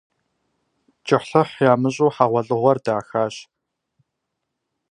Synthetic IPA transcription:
t͡ʃʼɪħɬɨħjaːmɨɕʼuːħaʁʷɐɮʼɨʁʷɔrdaːxaːɕ

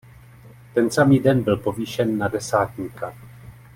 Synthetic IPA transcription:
t̪ɛnsamiːdɛnbɪlpo̞viːʃɛnːadɛsaːt̪ɲiːka

